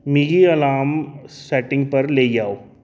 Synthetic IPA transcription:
miːɡiɐlaːmsɛːʈɪ̃ŋɡpɐɾleːɡaːo

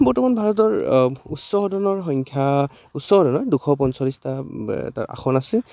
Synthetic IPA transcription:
bɔtɔmanbʱaɹɔt̬ɔɹutsɔɦɔdɔnɔɹxɔŋkʰja | utsɔhɔdɔnɔɹdukʰɔp̬ɔnsɔlistaɛ̰ta̰ɹa̰xʰɔnasɛ

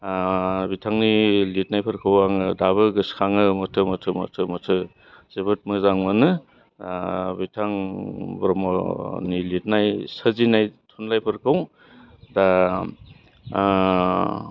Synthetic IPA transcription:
bitʰaŋnilit̚najpʰɐɾkʰawaŋɯdaβɯɡɯskʰaŋɯmɔtʰɯmɔtʰɯmɔ̰tʰɯmɔtʰɯ | zebɯt̚mɯzaŋmɯnɯ | bitʰaŋbɾɔmɔ̰nilit̚najsəzinajtʰunlajpʰɯɾkʰaw | da

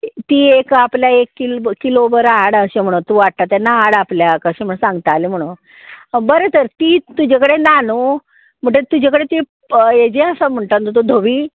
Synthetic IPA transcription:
t̪iːekapljaekːilːilobəɾaɽəɕem̤əɽut̪uʋaʈt̪at̪anːaaɽapljakəɕem̤əɽ̃sãŋɡt̪aaːlim̤əɽun | bəɾet̪əɾt̪iːt̪ud͡ʑakəɽenano | m̤əɳʈet̪ud͡ʑakəɽet̪e | jed͡ʑeəsam̤əɳʈ̪and̪ot̪od̪ʱoʋiː

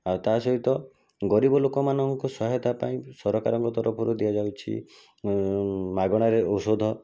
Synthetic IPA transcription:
awt̪asɔɦit̪ɔ | ɡɔɾibɔlokɔmanɔŋkusɔɦet̪apa̰ĩsɔɾɔkaɾɔŋkɔt̪ɔɾɔpʰɔɾud̪iad͡ʒawt͡ʃʰḭ | maɡɔɽ̃aɾeosod̪ʱɔ

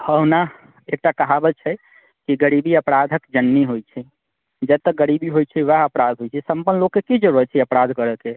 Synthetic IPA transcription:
həɦna | ek̚ʈakəɦabət͡ʃʰɛ | kiɡəɾibiəpɾad̪ʱəkd͡ʒənːiɦojt͡ʃʰɛ | d͡ʒɛt̪ːəɡəɾibiɦojt͡ʃʰɛʋaɦəpɾad̪ʱɦojt͡ʃʰɛsəmpənlokːekid͡ʒəɾuɦət͡ʃʰɛəpɾad̪ʱkəɾəke

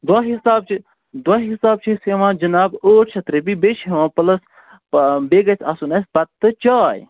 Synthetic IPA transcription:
d̪waːɦisaːbt͡ʃʰi | d̪waːɦisaːb̚t͡ʃʰiseʋãːd͡ʒɐnaːboːt͡ʃʰɐt̪ɾebibeʃeʋãːpɐlɐs | beːɡɐt͡sʰɐsunɐsʲpɐt̪ːɨt͡ʃaːj

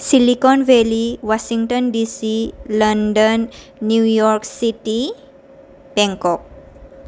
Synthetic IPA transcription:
silikɔnʋeliwasiŋʈɔnɖisilənɖənː | jujɔɾksiʈi | bɛŋkɔk̚

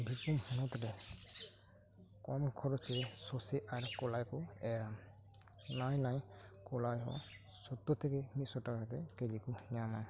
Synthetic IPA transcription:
bʱikumhunɔt̪ɾɛ | kɔmkʰɔɾɔt͡ʃɛsɔseʔaɾkɔlajkɔɛɾam | najnajkɔlajɦɔ̰ | sɔt̪ːɔtʰɛkɛmisɔtakatɛkelikunjamaj

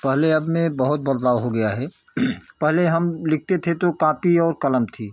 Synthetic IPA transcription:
pɛɦleɐbmẽbɐɦʊt̪̚bəɾd̪aːʊɦoɡɐjaɦɛ | pɛɦleɦɐmlɪk̚ʰt̪et̪ʰet̪okaːpiɔːɾkɐləmt̪ʰiː

